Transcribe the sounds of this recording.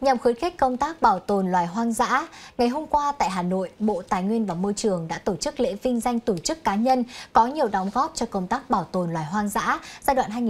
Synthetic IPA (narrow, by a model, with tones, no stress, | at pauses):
ɲa˨˩mxɨ˨˦nxi˦˥k̟̚kːə˧wŋ͡mt̪aː˦˥k̚ɓaː˧˩wt̪o˨˩nlwaː˨˩jɦwaː˧ŋza̰ː˧˥ŋa˨˩jɦo˧mkwaː˧t̪a̰ː˧˨jɦaː˨˩no̰˧˨jɓo̰˧˨t̪aː˨˩jŋwi˧ənvaː˨˩mo˧jt͡ɕɨ˨˩əŋɗa̰ː˧˥t̪o˧˩t͡ɕɨ˦˥k̚lḛ˧˥vï˧ŋ̟za˧jŋ̟t̪o˧˩t͡ɕɨ˦˥kːaː˨˦ɲə˧nkɔ˨˦ɲi˨˩əwɗɔ˨˦wŋ͡mɣɔ˦˥p̚t͡ɕɔ˧kə˧wŋ͡mt̪aː˦˥k̚ɓaː˧˩wt̪o˨˩nlwaː˨˩jɦwaː˧ŋza̰ː˧˥zaː˧ɗw̰ːnɦaː˧jŋi˨